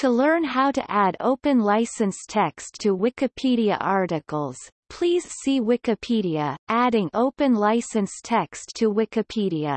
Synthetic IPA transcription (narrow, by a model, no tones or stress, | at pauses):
tʰəlɜ̃˞nɦaʊɾɨ̰ʔæɾo̰ʊpɨ̃nlaɪsɨ̃nstʰɛkstʰɨwɪkɨpʰiɾiɨ̰ʔɑɹɾɨkl̩ˠz̥ | pʰl̥iz̥siwɪkɨpʰiɾiɨʔæɾɪ̃ŋoʊpɨ̃nlaɪsɨ̃nstʰɛkstʰɨwɪkɨpʰiɾiɨ̰